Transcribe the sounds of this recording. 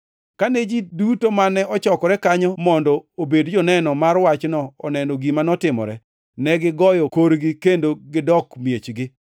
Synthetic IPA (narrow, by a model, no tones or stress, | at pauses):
kanɛd͡ʒidutomanɛɔt͡ʃɔkɔɾɛkaɲɔmɔndɔobedd͡ʒɔnɛnɔmarwat͡ʃnɔɔnɛnɔɡimanɔtɪmɔ̰ɾɛ | nɛɡɪɡɔjɔkoɾɡɪkendoɡɪdɔkmjet͡ʃɡɪ